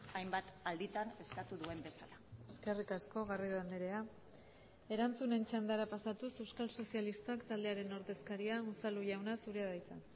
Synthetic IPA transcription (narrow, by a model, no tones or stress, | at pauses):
ajmbat̪ald̪it̪ane̞skat̪uðue̞mbe̞salaeske̞rikasko̞ɣariðand̪eɾe̞a | e̞ɾant͡sune̞nt͡ʃand̪aɾapasat̪use̞wskalso̞sialist̪oakt̪ald̪e̞aɾe̞no̞ɾðe̞skaɾiausaluʝawnasuɾeað̞ajt͡sa̰n